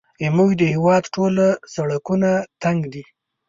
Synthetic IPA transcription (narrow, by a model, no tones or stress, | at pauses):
ɪmujd̪əhɪwɑd̪ʈolasaɽakunat̪aŋɡd̪i